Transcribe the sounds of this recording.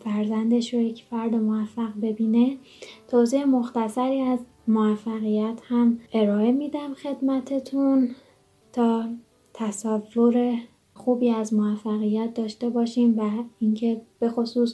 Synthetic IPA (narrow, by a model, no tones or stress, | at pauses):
fæɾzænd̪e̞ʃɾojecʰfæɾd̪emovæfːæɣbe̞biːne | t̪ʰoziemoxt̪æsæɾiːæz | moæfːæɣijæt̪ʰhæmʔe̞ɾɒːe̞mid̪æmxe̞d̪mæt̪ʰe̞t̪ʰun | t̪ʰɒː | t̪ʰæsævːoɾe | xuːbiːæzmoæfːæɣijæt̪̚d̪ɒːʃt̪e̞bɒːʃiːmvæincʰe̞b̥e̞xosuːs